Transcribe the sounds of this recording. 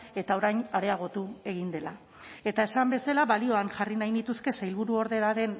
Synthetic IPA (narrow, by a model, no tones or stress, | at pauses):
e̞t̪ao̞ɾajɲaɾe̞aɣ̞o̞t̪ue̞ɣ̞ind̪e̞la | e̞t̪ae̞sambe̞salaβalio̞anʝarinajnit̪uske̞sajlβ̞uɾuo̞ɾðe̞ɾaɾe̞n